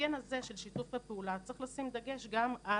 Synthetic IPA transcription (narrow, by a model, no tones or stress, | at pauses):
enhaze̞ʃe̞lʃit̪ufvapeulat͡sʁeχlasimd̪aɡe̞ʃɡama